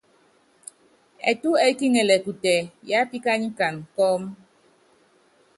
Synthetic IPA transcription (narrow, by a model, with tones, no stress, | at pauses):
ɛ̰˨tu˦ɛ˦ki˦ŋɛ˨lɛ˨ku˨tɛ˨ja˦pi˦ka˦ɲi˦ka˨nkɔ˦m